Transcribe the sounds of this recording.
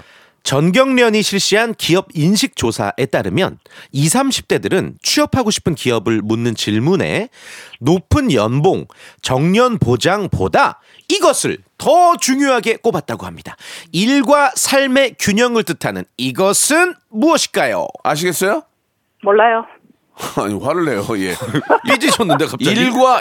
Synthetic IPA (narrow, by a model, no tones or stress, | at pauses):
t͡ɕʌnɡjʌŋmjʌɲiɕʰiɭɕ͈iɦankiʌb̚inɕʰik̚t͡ɕ͈osʰa̰ʔe̞t͈aɾɯmjʌ̰nisʰamɕʰi̥p̚t͈e̞dɯɾɯnt͡ɕʰiʌpʰaɡoɕʰi̥pʰɯnkiʌbɯɭmunːɯnt͡ɕiɭmune̞̰nopʰɯnjʌ̰nboŋt͡ɕʌŋɲʌnpod͡ʑaŋpo̰da | iɡʌsʰɯɭ | tʌt͡ɕuŋjoɦaɡe̞k͈obat̚t͈aɡoɦhamɲidaiɭɡwasʰaɭme̞kjuɲʌŋɯɭtɯtʰanɯ̰niɡʌsʰɯn | muʌɕʰi̥k͈ajo̰aɕ̬ʰiɡes͈ʌjo | moɭːajo | a̰ɲiwaɾɯɭːejojḛid͡ʑit͡ɕonːɯndekap̚t͡ɕiʎɡwa